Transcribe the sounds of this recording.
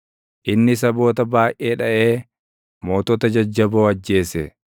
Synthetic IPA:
ʔɪnːɪs̬ɐbo̞ːt̪ɐbaːʔeːᶑɐʔe̞ː | mo̞ːt̪ɔt̪ɐd͡ʒɐd͡ʒːɐboːɐd͡ʒːe̞ːsɛ

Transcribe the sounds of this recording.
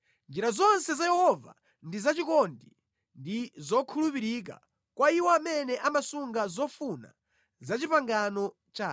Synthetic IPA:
nd͡ʒiɾazɔnsɛzajɛhɔva̰ | ndizat͡ʃikɔndi | ndizɔkʰulupiɾik̬a̰ | kwaiwɔamɛnɛʔamasuŋɡazɔfuna̰ | zat͡ʃipaŋɡanɔ | t͡ʃaː

